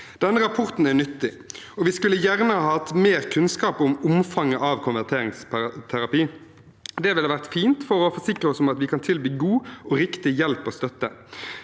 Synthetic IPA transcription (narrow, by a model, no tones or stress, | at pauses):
d̪̥ɛnːəɾɑpʰɔʁt̪n̩ænʏt̪ːɪ | ɔʋɪskʉlːəjæʁnəhɑhɑːɑt̪ːmeːɾkʰʉnskɑːpʊmʊmfɑŋːəʔɑːʋkʰʊnʋæʁt̪ʰeːɾɪŋst̪ʰæɾɑpiː | d̪ɛʋɪlʋæʁt̪fiːnt̪fɔʁɔfɔʂɪkʁəɔsɔmɑt̪ʋɪkʰɑnt̪ʰɪlbyːɡuːɔɾɪkt̪ɪjɛlpɔst̪œt̪ːə